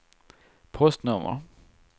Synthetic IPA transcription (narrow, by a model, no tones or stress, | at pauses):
pʰɔst̪nɵmə̰